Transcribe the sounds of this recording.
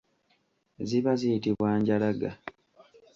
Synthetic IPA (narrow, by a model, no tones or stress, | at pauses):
ziβazijitiβwaːɲɟalaɡa̰